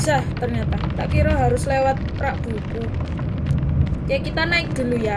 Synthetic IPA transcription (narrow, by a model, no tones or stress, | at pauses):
saht̪ərɲat̪at̪aʔpiɾɔɦaɾʊslewat̪̚ | ɾaʔb̥uku | kɛkit̪anaɪk̚d̪̥ṳluja